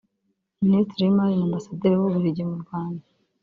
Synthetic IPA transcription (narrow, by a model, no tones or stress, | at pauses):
ministɾimajinambasad̪eɾiwuβiɾiɟimuɾɡwaːnda